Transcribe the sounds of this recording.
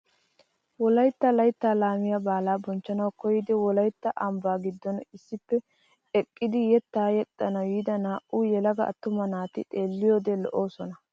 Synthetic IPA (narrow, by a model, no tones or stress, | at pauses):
wɔlɐjt̪ːɐlɐjt̪ːaːlaːmɪjɐbaːlaːbɔnt͡ʃːɐnɐwkɔjɪd̪ɛwɔlɐjt̪ːɐʔɐmbaːɡɪd̪ːɔnɪsːɪpːɛ | ɛkʼːɪd̪ɪjɛt̪ːaːjɛt̪ʼːɐnɐwiːd̪ɐnaːʔʔuːjɛlɐɡɐɐ̰t̪ːʊmɐnaːt̪ɪt̪ʼe̞ːlːɪjo̞ːd̪ɛlɔʔo̞ːsɔnɐ